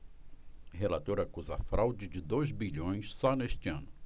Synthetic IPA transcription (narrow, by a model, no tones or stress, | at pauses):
ɦelat̪oɾɐakuzɐafɾawd͡ʒɪd͡ʒɪd̪ojzbiʎõj̃ssɔneʃt͡ʃɪɐ̃nʊ